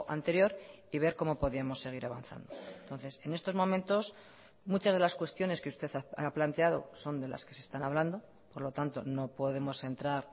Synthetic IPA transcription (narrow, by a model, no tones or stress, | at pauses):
ʔant̪e̞ɾjo̞ɾ | iβ̞e̞ɾko̞mo̞poðiamo̞sːe̞ɣ̞iɾaβa̰nθa̰nd̪o̞ent̪o̞nθe̞se̞ne̞st̪o̞zmo̞mẽ̞nt̪o̞s | mut͡ʃazð̞e̞laskwe̞st̪jo̞ne̞ske̞ust̪e̞θaa̰plant̪e̞aðo̞̰so̞nd̪e̞la̰ske̞sest̪anaβland̪o̞ | po̞ɾlo̞t̪ant̪o̞no̞po̞ðe̞mo̞se̞nt̪ɾaɾ